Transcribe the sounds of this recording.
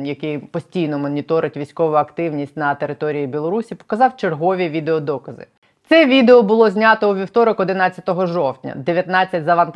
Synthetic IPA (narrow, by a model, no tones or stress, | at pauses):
jɐkɪjpɔsʲtʲijnɔmɔnʲit̪ɔɾɪtʲʋʲijsʲkɔʋʊɐkt̪ɪwnʲisʲtʲnɐt̪e̞ɾɪt̪ɔɾʲijibʲilˠɔɾusʲipɔ̥kɐzɑwt͡ʃerɦɔʋʲiʋʲid̪eɔd̪ɔkɐzɪ̰ | t̪sɛʋʲid̪eɔbʊlˠɔzʲnʲat̪ɔuʋʲiwt̪ɔɾɔkɔd̪ɪnɑt͡sʲːɐt̪ɔɦɔʒɔwtʲnʲɐ̰d̪eʋʲjɐt̪nɑt͡sʲːɐtʲzɐʋɐnt̪